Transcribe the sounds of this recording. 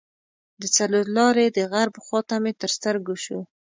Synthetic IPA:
d̪ət͡saloɾlɑɾed̪əɣaɾbxɑt̪amet̪əɾst̪əɾɡuʃu

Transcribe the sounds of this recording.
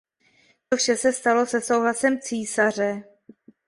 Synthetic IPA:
t̪ofʃɛsɛst̪alo̞sɛso̞wɦlasɛmt͡siːsar̝ɛ

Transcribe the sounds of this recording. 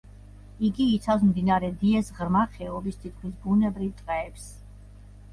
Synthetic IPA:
iɡiːt̪sʰafsmd̪inaɾɛd̪iɛsʁɾmaχɛɔbist̪ʰit̪̚ʰkʰmisbunɛbɾivt̪ʼqʼɛːps

